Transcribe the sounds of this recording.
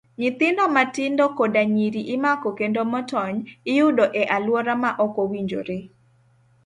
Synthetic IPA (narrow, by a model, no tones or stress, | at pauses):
ɲɪt̪ɪndɔmatɪndɔkodaɲiɾiʔɪmakɔkendomɔtɔɲɪjʊdoʔɛʔalwɔɾamaʔɔkowiɲd͡ʒo̰ɾe